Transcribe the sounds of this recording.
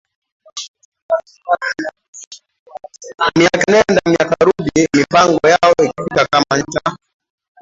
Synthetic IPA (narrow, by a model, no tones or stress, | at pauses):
miakinɛndamiakaɾuɗimipaŋɡɔjaɔiki̥fikakamaɲ̩ta